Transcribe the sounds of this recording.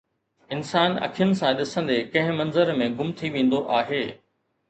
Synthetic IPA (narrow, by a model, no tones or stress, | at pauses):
ɪnsaːnɐ̰kʰijʊnɪ̆sãɗɪsə̃nd̪ekɐ̃ɦɪ̃mɐ̃nzəɾmẽɡʊmt̪ʰiʋẽːn̆d̪oʔaːɦeː